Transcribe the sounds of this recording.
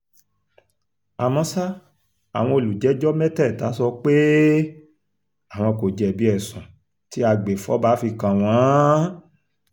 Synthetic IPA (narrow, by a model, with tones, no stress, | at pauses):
a˨mɔ̃˧sa˦ | a̰˨w̃ɔ̃˧o˨lu˨d͡ʒɛ˨˦d͡ʒɔ˦mɛ̃˦tɛ˦˨ta˨˦sɔ˧k͡pe˦ | a˨w̃ɔ̃˧ko˨d͡ʒɛ˨bi˨˦ɛ˨sɔ̃˨ | ti˦a˧ɡ͡be˨fɔ˨˦ba˨˦fi˧kã˨w̃ɔ̃˨˦